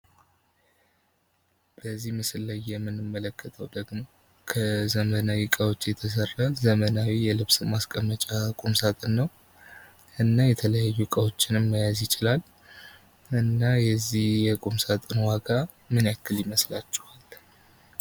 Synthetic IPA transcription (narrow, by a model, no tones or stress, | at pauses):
b̥əzːihmɨsɨlːajːɛmːɨnɨmːələkːət̪ʰəwd̪əɡmo̞ | kʰəzəmənawikʼəwo̞t͡ʃːjɛt̪ʰəs̬ərːazəmənawijɛlɨβsɨmaskʼəmːət͡ʃʼakʼumsat̪ʼɨnːəw | ʔɨnːajɛt̪ʰələjajːukʼəwo̞t͡ʃːɪnɨmːəjazjɪt͡ʃʼɪlal | ɨnːajɛzːihjɛkʼumsat̪ʼɨnwaɡa | mɨnjakːɨljɪməslat͡ʃːɛhal